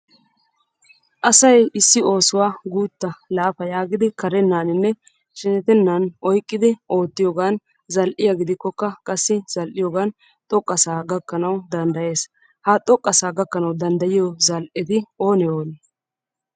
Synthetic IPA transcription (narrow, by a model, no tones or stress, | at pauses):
ʔɐsɐjɪsːɪo̞ːsʊwaːɡuːt̪ːɐlaːfɐjaːɡɪd̪ɪkɐɾɛnːaːnɪnːɛ | ʃɛnɛt̪ɛnːɐnʔɔjkʼːɪd̪ɪʔo̞ːt̪ːɪjoːɡaːn | zɐlʔɪjɐɡɪd̪ɪkːɔkːɐkʼɐsːɪz̥ɐlʔɪjoːɡaːn | t̪ʼɔkʼːɐsaːɡɐkːɐnɐwd̪ɐnd̪ɐje̞ːs | hat̪ʼɔkʼːɐsaːɡɐkːɐnɐwd̪ɐnd̪ɐjɪjɔzɐlʔɪd̪ɪo̞ːnɛoːn